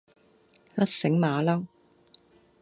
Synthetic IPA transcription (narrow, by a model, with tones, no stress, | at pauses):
lɐ˥t̚sɪ˨˥ŋmaː˨˧laː˥